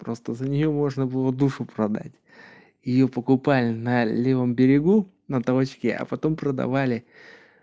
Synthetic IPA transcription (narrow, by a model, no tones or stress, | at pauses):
pɾo̞st̪əzənʲɪjo̞mo̞ʐnəbɨlˠəd̪uʂʊpɾɐd̪a̰tʲ | jɪjopəkʊpalʲɪnɐlʲe̞vəmbʲɪɾʲɪɡu | nəd̪ɐvot͡ɕkʲɪɐ̰pɐt̪o̞mpɾəd̪ɐ̰valʲɪ